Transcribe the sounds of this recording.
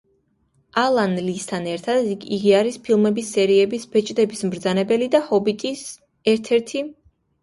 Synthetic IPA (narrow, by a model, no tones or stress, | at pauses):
ʔalˠanlist̪ʰanɛɾt̪ʰad̪iɡiaɾispʰilˠmɛbisːɛɾiɛbisb̥ɛt͡ʃʼd̪ɛbismɾd̪zanɛbɛlid̪ahɔbit̪ʼis | ɛɾt̪ʰɛɾt̪ʰi